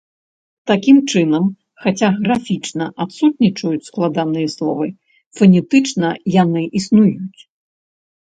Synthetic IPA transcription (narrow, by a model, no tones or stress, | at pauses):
t̪akʲimt͡ʂɨnɐm | xat͡sʲaɣɾafʲit͡ʂnɐʔat̪sut̪̚nʲit͡ʂɐjut͡sʲsklˠad̪anɨjɐslˠɔ̰vɨ | fɐnʲɛt̪ɨt͡ʂnɐjanɨʔisnujut͡sʲ